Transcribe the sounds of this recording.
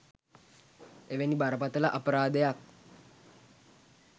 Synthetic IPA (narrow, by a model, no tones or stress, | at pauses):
eʋenibaɾəpat̪əlaʔəpəɾaːd̪əjak̚